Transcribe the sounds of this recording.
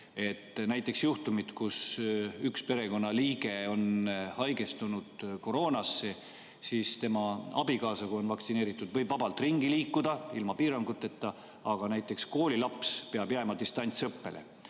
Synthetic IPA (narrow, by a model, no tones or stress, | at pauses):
e̞t̪ːˑnæjt̪ːˑe̞ksjuht̪umit̪kusykspe̞ɾe̞ko̞nːɑliːɡ̥e̞o̞nhɑjɡe̞st̪unud̪̥ko̞ɾo̞ːnɑsːe | siːst̪e̞mɑɑ̰bikɑːsɑkuo̞nvɑkt̪sineːɾit̪ːˑud̪vɤ̞jb̥vɑbɑlt̪ˑriŋɡiliːkːˑud̪̥ɑilmɑpiːɾɑŋɡ̥ut̪ːˑe̞t̪ːɑ | ɑɡ̥ɑnæjt̪ːˑe̞ksko̞ːlʲilɑpspeɑbjæmɑd̪ist̪ɑnʲt̪sɤpːe̞̰lʔḛ